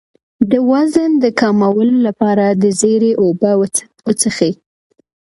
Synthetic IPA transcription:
d̪əwazənd̪əkɑmawəlolapɑɾad̪əzeɾeʔoba | ʊt͡səxi

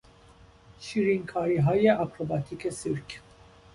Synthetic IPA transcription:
ʃiːɾiŋkʰɒːɾiːɦɒːjeʔɑkɾobɑːt̪ʰiːkʰesiɾkʰ

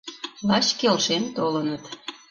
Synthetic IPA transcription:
lɑt͡ɕkelʃent̪olənət̪

